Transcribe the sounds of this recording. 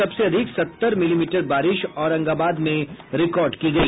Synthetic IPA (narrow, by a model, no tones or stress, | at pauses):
ɐbseɐd̪ʱɪksɐt̪ːəɾmɪliːmiːʈəɾbaːɾɪʃɔːɾɐ̃ŋɡaːbaːd̪mẽɾɪkɔːɾɖkiɡɐiː